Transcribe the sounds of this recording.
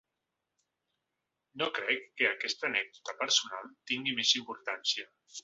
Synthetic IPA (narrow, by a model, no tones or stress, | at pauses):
nokɾɛkːeakɛst̪anɛɡ̚d̪ut̪apəɾsuna̰lˠt̪iŋɡimezimpuɾt̪ansia